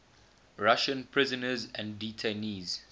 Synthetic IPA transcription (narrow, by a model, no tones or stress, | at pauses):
ɹaʃə̃npʰɹɪzənəzæ̃nditʰeniz̥